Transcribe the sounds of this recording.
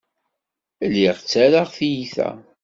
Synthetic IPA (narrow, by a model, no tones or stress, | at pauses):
lːiʁt͡sːæɾaʁθijiθæ̰